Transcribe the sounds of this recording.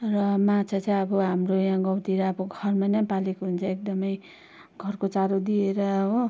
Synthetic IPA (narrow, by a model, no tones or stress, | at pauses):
rʌmat͡sʰat͡sãjʌbʌɦamrojãɡʌwt̪iɾʌːbʌɡʱʌrmanajpalekoɦunt͡sʰʌek̚d̪ʌmʌj | ɡʱʌrkot͡saɾod̪ieɾʌɦo